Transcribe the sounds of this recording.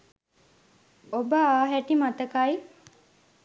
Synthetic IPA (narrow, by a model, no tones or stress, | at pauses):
obəaːɦæʈimat̪əkaj